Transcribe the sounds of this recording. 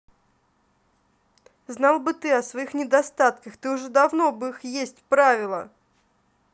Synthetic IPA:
znɑlˠbɨt̪ɨɐsvɐixnʲɪd̪ɐst̪at̪kəxt̪ɨʊʐɛd̪ɐvno̞bɨixjesʲtʲpɾavʲɪlˠə̰

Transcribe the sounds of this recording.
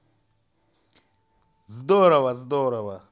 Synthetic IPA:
zd̪ɔɾawazid̪ɔɾawa

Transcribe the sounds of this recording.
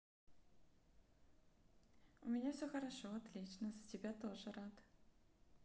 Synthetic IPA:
ʊmʲɪnʲafsʲɵxəɾɐʂoɐt̪lʲit͡ɕnəzətʲɪbʲat̪o̞ʐɨɾat̪

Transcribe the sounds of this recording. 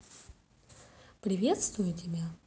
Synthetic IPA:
pɾʲɪvʲe̞t̪st̪vʊjʊtʲɪbʲa

